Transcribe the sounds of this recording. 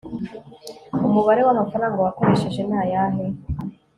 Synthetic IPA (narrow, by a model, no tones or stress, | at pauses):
umuβaɾewamafaɾaːŋɡawako̞ɾe̞ʃe̞ʒe̞naːjaɦe